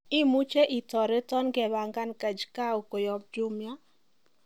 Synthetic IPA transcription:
ɪ˦mu˦t͡ʃe˦ʔi˨tɔ˨ɾe˦tɔ˦nɡɛ˨ba˨ŋɡa˦nka˨d͡ʒka˦o˨ko˨jɔ˨p̚d͡ʒʊ˦mja˦

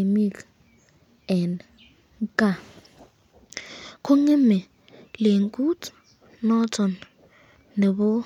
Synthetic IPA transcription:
mi˦l | ɛ˨n | kʼa˦˨ | kʰo˦ŋɛ˦mɛ˨ | le˨ŋkʼu˦tʰ | nɔ˦tɔ˨nː | e˨bʊ˦

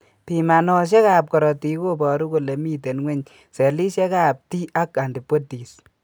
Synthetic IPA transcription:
pi˨ma˨nɔ˦ʃ̬ɛ˦ka˨p̚kɔ˨ɾɔ˨ti˨˦ko˦bɔ˨ɾu˦ko˨le˨mi˦te˨nŋwɛ˦ɲ | se˨li˦ʃɛ˦ka˨p̚ti˦ʔa˦ka˨ndi˨pːo˦ti˨s

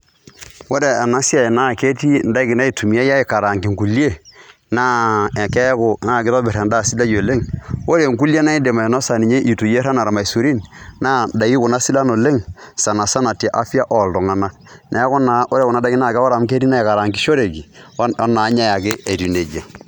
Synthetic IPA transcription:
wo˦ɾe˨a˨na˦si˦a˨na˦˨ke˦ti˦n˦da˦ki˨na˦i˨tu˨mi˨˦a˦ja˦ɪ˨ka˨ɾa˨ŋki˨ŋku˨li˦e˦˨ | na˦˨kɛ˦kʊ˨na˦˨kɪ˦tɔ˦bɪ˨ɾɛ˨nda˦˨si˦la˦jo˨le˦ŋwo˦ɾe˨ŋku˦lje˦na˦i˦de˨ma˨i˨nɔ˦sa˨ni˨ɲe˦ʔi˨tu˨je˦ɾa˦na˨ɾa˨ma˨i˨su˨ɾi˦nna˦da˨ji˦kʊ˨na˦si˦la˦no˨le˦ŋsa˨na˨sa˦na˨te˨ʔa˦fi˦a˦ʔɔ˨ldɔ˨ŋa˨na˦ | nʔa˨˦kʊ˦na˨o˦ɾe˨kʊ˨na˦da˦ɡi˦na˦˨ka˦wo˦ɾa˨m˦ke˦ti˦na˦i˨ka˨ɾa˨ŋki˦ʃo˦ɾe˨ki˨˦na˨˦ɲa˦ja˨kɪ˦ʔe˨ti˨ne˨d͡ʒa˨

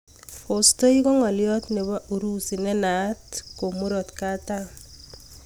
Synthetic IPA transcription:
fo˨sto˦i˦kɔ˦ŋa˨ljɔ˦tne˨βa˦ʔu˨ɾu˦si˨nɛ˦na˨˦tko˨mu˦ɾɔ˨tka˦ta˦n

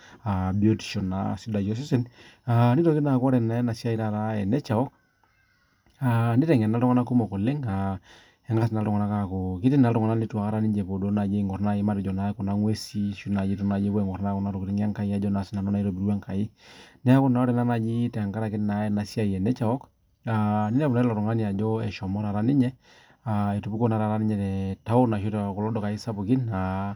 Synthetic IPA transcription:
a˨bi˨o˦ti̥˨ʃɔ˨na̰si˦da˨jɔ˦s̬ɪ˦sɛ˦na˨ni˦to˨kɪ˦na˨kɔ˦ɾɛ˨na˦ɛ˦na˨sja˦i˦ɾa˦˨ɾa˦ɛ˨nɛ˦t͡ʃa˨ɔ˦k̚ | a˨ndi˦tɛ˨ŋ˨a˨na˦ltʊ˦ŋa˦na˦ko˦mɔ˨kɔ˨le˦ŋa˨ | ɛ˦ŋɡa˦sɪ˨na˨ltʊ˦ŋa˨na˦ka˦ko˨kɪ˦tɪ˦na˨ltʊ˨ŋa˨na˦li˦twa˨ka˦ɾa˦ni˦ɲd͡ʒe˨po˨do˦na˨d͡ʒe˦˨ŋɔ˨rna˦ɪ˦ma˦ɾɪ˨d͡ʒɔ˨na˦kɔ˨na˦ŋwe˦si˦ʃu˦na˨d͡ʒi˦tɔ˦na˨d͡ʒe˦bɔ˦ɛ˨ŋɔ˨rna˦kɔ˦na˦ɾo˨ki˨ɾɪ˦ŋ˦a˦ŋka˦i˦a˨˦d͡ʒɔ˦na˨si˦na˨nɔ˦na˦i˦ɾo˨bi˨ɾwa˦ŋka˨i˦nɛ˦a˦kʊ˦na˦ɾe˨na˦na˨d͡ʒi˦tɛ˨a˨ŋka˦ɾa˨kɪ˦tna˨ɛ˦na˨si˦a˦˨jɛ˨nɛ˦t͡ʃa˨ɔ˦k | a˨nɪ˦a˦una˦i˦lɔ˨ɾʊ˨ŋa˦ni˨a˨d͡ʒɔ˦ɛ˨ʃɔ˨mɔ˦ɾa˨ɾa˦nɪ˦ɲɛ˦ | a˨e˨tu˨bu˦ko˦na˨˦ɾa˨ɾa˦nɪ˦ɲɛ˨tɛ˨ta˦o˦na˨ʃu˦ta˨kɔ˨lɔ˦dɔ˨ka˨i˦sa˦pu˨kɪ˦na˨

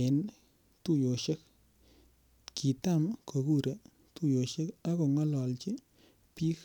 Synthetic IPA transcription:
e˨n | tu˦˨jo˨ʃe˦k̚ | ki˨ta˦mko˨ku˦ɾe˨ | tu˦˨jo˨ʃe˦ka˦ko˨ŋɔ˦lɔ˨lt͡ʃi˦ | pi˦k

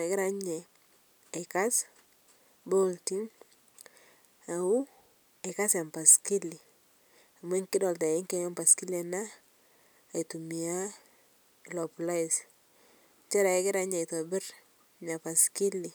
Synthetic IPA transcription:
kɪ˦ɾa˦ɲɛ˨ | ɪ˨ka˦s | bo˦lti˦ŋ | a˨u˦ | e˨ka˦sa˨mpa˨ski˦li˨ | a˨mɛ˦ŋkɪ˦dɔ˨lta˨ɪ˦ŋkɛ˦ŋa˦mpa˨ski˦lɛ˨naː˦˨ | i˨tu˨mi˨a˦ | lɔ˨pla˦ɪ˨s | ɲt͡ʃɛ˦ɾa˨ɛ˦kɪ˦ɾa˦ɲɛ˨ɪ˨tɔ˨bɪ˦ɾ | ɲa˨pa˨ski˦li˨

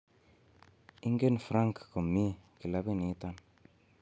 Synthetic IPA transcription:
i˦ŋɡe˦nfɾa˦ŋkko˨mːi˦˨ki˨la˦bi˦ni˨˦t̪a˦n

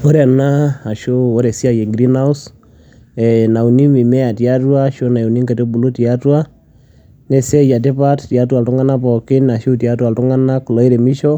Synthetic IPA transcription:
ɔ˦ɾɛ˨na˦a˨ʃo˦ɔ˦ɾɛ˨si˦a˨jɛ˨ŋɡɾi˦na˦u˦s | ɛ˨na˨u˨ni˦mi˨mɛ˦a˨tja˦twa˦ʃo˦na˨jo˨ni˦ŋka˨te˦bu˨lu˦ti˨a˦twa˦ | nɛ˦sɛ˦ja˨t̬e˦pa˦ttja˦twa˨ltʊ˦ŋa˦na˦pɔ˨kɪ˦na˨ʃu˦ti˨a˦tuwa˨ltʊ˦ŋa˦na˦kʊ˨lɔ˦i˦ɾɛ˨mi˦ʃɔ˦

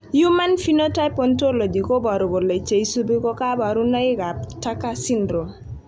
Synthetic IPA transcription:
ju˦ma˦nfi˦no˦ta˦jpɔ˨˦nto˦lo˨d͡ʒi˨ko˦bɔ˨ɾu˨ɡo˨le˨t͡ʃe˨i˦su˦bi˦kɔ˦ka˦ba˨ɾu˦na˦i˦ka˨pta˦ka˦si˦ndɾo˨

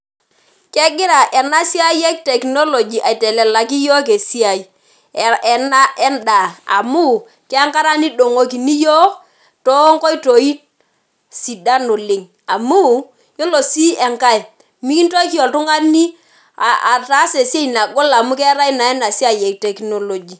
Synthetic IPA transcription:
kɛ˦ɡɪ˦ɾa˨ʔɛ˨na˦si˦a˦jɛ˦k̚tɛ˨kno˦lo˨d͡ʒi˨ʔa˨i˨tɛ˨lɛ˨la˨k̬i˦jɔ˦k̬e˨si˦a˨i˨ | ɛ˨na˦ʔɛ˦nda˨a̰˨mu˦˨ | kɛ˦a˦ŋka˦ɾa˦ni˦do˨ŋo˨k̬i˨ni˦jɔ˦ | tɔ˦ŋkɔ˦i˦to˨i˦t | si˨da˦no˨lɪ˨ŋ | a˨mu˦ | jo˦lo˨si˦ɛ˨ŋka˦˨ | mi˦ki˦n˦to˦ki˦ɔ˨ltʊ˦ŋa˦ni˦˨ | a˨ta˦se˨si˦e˦i˨na˨ɡo˦la˨mu˦kɛ˦ɾa˦i˦na˨ɛ˦na˨si˦a˦jɛ˨k̚tɛ˨kno˨lo˨d͡ʒi˨

